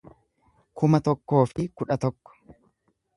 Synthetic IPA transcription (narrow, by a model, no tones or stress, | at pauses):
kʊmɐt̪ɔkːo̞ːfɪkʊᶑɐt̪ɔkːɔ̥